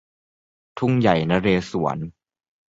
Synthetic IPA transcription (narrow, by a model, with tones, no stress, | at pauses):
t̪ʰu˥˩ŋja˨˩jna˦˥ɾeː˧su˨˩˦ɐn